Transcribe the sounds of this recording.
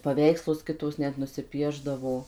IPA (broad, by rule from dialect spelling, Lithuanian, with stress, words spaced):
pɐˈʋʲɛɪkslˠʊs ˈkʲɪtoːs ˈnʲɛt nʊsʲɪˈpʲiɛʒdɐʋoː